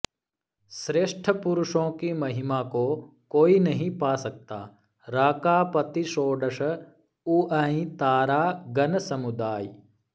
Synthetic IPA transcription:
ʃɾeːʃʈʰəpʊɾʊʃõːkimɐɦɪmaːko | koːinɐɦĩpaːsɐk̚t̪a̰ː | ɾaːkaːpɐt̪iʃoːɖɐʃɐ | uːaːĩt̪aːɾaːɡɐnsɐmud̪aːj

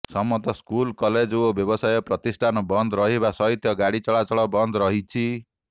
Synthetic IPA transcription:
sɔmːɔt̪ɔskulkɔled͡ʒoobjɔbɔsajɔpɾɔt̪isʈʰanɔbɔnd̪ɔɾɔɦibasɔɦit̪ʰjɔɡaɽit͡ʃɔɭat͡ʃɔɭɔbɔnd̪ɔɾɔɦit͡ʃʰi

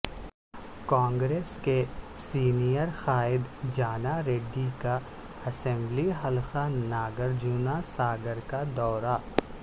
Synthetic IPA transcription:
kãːŋɡɾeːskesiːnijəɾxaːɪd̪d͡ʒaːnaɾeːɖːika | ɐsɛ̃mbliɦɐlxanaːɡəɾd͡ʒuːnasaːɡəɾkad̪ɔːɾa

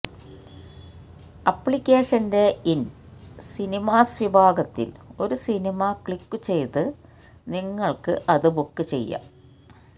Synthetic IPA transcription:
ɐpːɭikʲːe̞ːʂɐnde̞in | sinimaːsʋibʱaːɡɐt̪ːḭlo̞ɾusinimɐkɭikːɨt͡ɕe̞jt̪ɨ | niŋːɐɭkɨʔɐðɨbukːɨt͡ɕe̞̰jːa̰

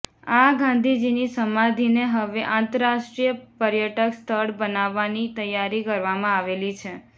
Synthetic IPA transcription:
aɡãnd̪ʱid͡ʒinisəmad̪ʱineɦəʋeʔãnt̪əɾɾaʃʈɾijəpəɾjəʈəkst̪ʰəɽbənaʋːanit̪əjːaɾikəɾʋamãaʋelit͡ʃʰe

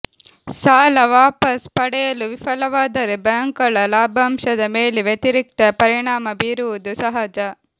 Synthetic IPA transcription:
saːlɐʋaːpɐspɐɽɛjɐluʋifɐlɐʋaːd̪ɐɾebjaːŋkɐɭɐlaːbʱɐmʃɐd̪ɐmeːleʋjet̪iɾik̚t̪ɐpɐɾiɳaːmɐbiːɾuʋud̪usɐɦad͡ʒɐ

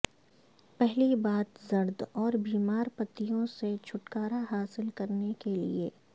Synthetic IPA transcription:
pɛɦlibaːt̪zɐɾd̪ɔːɾbiːmaːɾpɐt̪ːijõset͡ʃʰʊʈkaːɾaɦaːsɪlkɐɾnekelḭeː

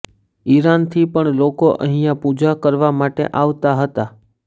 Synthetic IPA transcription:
iɾant̪ʰipəɳlokoʔəɦijãpud͡ʒakəɾʋamaʈḛʔaʋt̪aɦət̪a

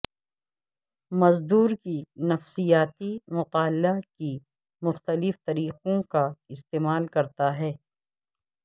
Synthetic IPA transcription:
mɐzd̪uːɾkinɐfsijaːt̪imʊqaːlːaki | mʊxt̪əlɪft̪ɐɾiːqõkaɪst̪eːmaːlkɐɾt̪aɦɛː

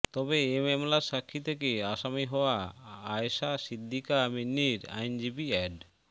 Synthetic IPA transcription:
t̪ɔbeememlaɾʃakʰːit̪ʰekeaʃamiɦɔoaaeʃasid̪ʱːikaminːiɾa̰jnd͡ʑibiɛɖ

